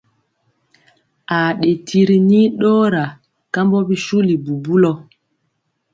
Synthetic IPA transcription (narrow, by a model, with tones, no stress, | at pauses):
a˨ɗe˨tʰi˦ɾi˨ni˦ɗɔ˦ɾa˨ | ka˦mbɔ˦bi˦ʃu˦li˨bu˨bu˦lɔ˨